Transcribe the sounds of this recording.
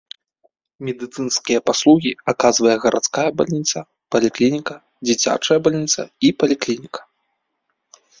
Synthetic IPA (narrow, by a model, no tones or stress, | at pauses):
mʲɛd̪ɨt̪sɨnskʲijɐpaslˠuɣʲiakazvɐjɛɣɐɾʔat̪skajɐba̰lʲnʲit̪sɐ | pɐlʲiklʲinʲikɐ | d͡zʲit͡sʲa̰t͡ʂɐjɐbalʲnʲit̪sɐ̰ipɐlʲiklʲinʲikɐ̥